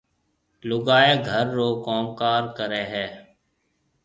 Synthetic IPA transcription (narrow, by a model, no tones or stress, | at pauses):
lʊɡaːeːɡʱəɾːoːkoːmkaːɾkəɾeːɦɛː